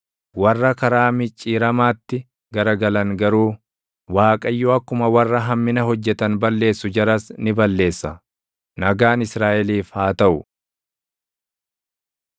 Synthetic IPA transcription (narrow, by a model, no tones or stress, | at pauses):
wɐrːɐkɐɾaːmɪt͡ʃʼːiːɾɐmaːt̪ːɪ | ɡɐɾɐɡɐlɐŋɡɐɾuː | waːkʼɐjːɔɐkːʊmɐwɐrːɐɦɐmːɪnɐɦɔd͡ʒːɛt̪ɐnbɐlːe̞ːsːʊd͡ʒɐɾɐsnɪbɐlːe̞ːsːɐ | nɐɡaːnɪsɾaːʔɛliːfhaːt̪ɐʔʊ